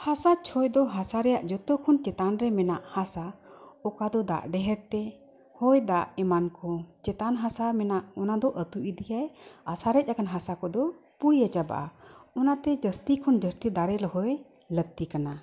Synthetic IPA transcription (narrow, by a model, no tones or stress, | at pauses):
hasat͡ʃʰɔjd̪ɔɦasaɾɛjaʔd͡ʒɔt̪ɔkʰɔnt͡ʃɛt̪anɾɛmɛnaʔhasaɔkad̪ɔd̪a̰ʔɖɛɦɛɾt̪ɛ | hɔjd̪aʔɛmankɔt͡ʃɛt̪anɦasamɛnaʔɔnad̪ɔʔət̪uʔid̪ijajasaɾɛc̪̚ˀakanɦasakɔd̪ɔpuɽijat͡ʃaba̰ʔaɔnat̪ɛd͡ʒəst̪ikʰɔnd͡ʒəst̪id̪aɾɛlɔhɔj | lət̪ikana